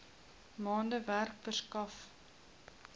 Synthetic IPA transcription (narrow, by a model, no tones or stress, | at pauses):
mɑːndəværkfərskɐf